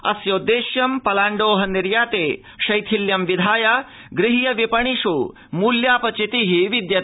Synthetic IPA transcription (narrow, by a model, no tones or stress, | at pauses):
ɐ̰sjoːd̪eːʃjɐmpɐlaːɳɖoːɦɐniɾjaːt̪eː | ʃɐjt̪ʰiljɐmʋid̪ʱaːjɐ | ɡɾɪɦijɐʋipɐɳ̃iʃuː | muːljaːpɐt͡ʃit̪iɦiʋid̪jɐ